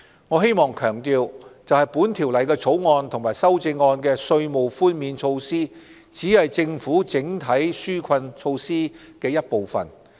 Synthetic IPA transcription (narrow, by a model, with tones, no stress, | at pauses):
ŋɔː˨˧ɦe˥jmɔː˨˩ŋkʰœː˨˩ŋt̪iː˧wt͡sɐ˨whɐ˨jpuː˨˥nt̪ʰiː˨˩wlɐ˨˩jkɛː˧t͡sʰo˨˥wŋɔː˧nt̪ʰʊ˨˩ŋmaː˨˩jsɐ˥wt͡sɪ˧ŋːɔː˧nkɛː˧sɵ˧ɥmo˨˩wfuː˥nmiː˨˧nt͡ʃʰo˧wsiː˥ | t͡siː˨˥hɐ˨jt͡sɪ˧ŋfuː˨˥t͡sɪ˨˥ŋt̪ʰɐ˨˥jsyː˥kʰɐ˧nt͡ʃʰo˧wsiː˥ | kɛː˧jɐ˥t̚po˨wfɐ̰˨˩n